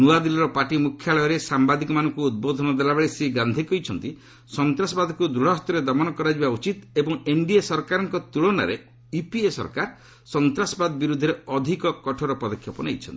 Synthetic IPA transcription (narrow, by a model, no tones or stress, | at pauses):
nuwad̪ilɔɾɔpaʈimukʰjaɭɔjɔɾesambad̪ikɔmanɔ̃ŋkuːd̪̚bod̪ʱɔnɔd̪elabeɭeseɡand̪ʱikɔjt͡ʃʰɔnt̪i | sɔnt̪ɾasɔbad̪ʱɔkud̪ɾuɽɔɦt̪ɔɾed̪ɔmɔnɔkɔɾad͡ʒibaut͡ʃit̪ebɔŋeɳɖiesɔɾkaɾɔŋkɔt̪uɭɔna̰ɾe | ipiesɔ̰ɾkaɾ | sɔnt̪ɾasɔbad̪ɔbiɾud̪ʱːɔɾeɔd̪ʱikɔkɔʈʰɔɾɔpɔd̪ɔkʰjɔpɔnḛjt͡ʃʰɔ̰nt̪i̥